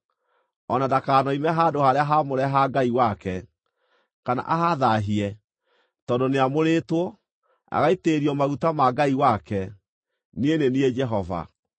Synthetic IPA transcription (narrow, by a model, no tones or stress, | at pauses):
ɔnadakaːnɔimɛɦadohaɾeaɦamoɾɛɦaɡaiwakɛ | kana̰ʔaɦaðaɦiɛ | tɔdoneamoɾetwɔ | a̰ɣaiteɾiɔmaɣutamaɡaiwakɛ | nenenied͡ʒɛɦɔva̰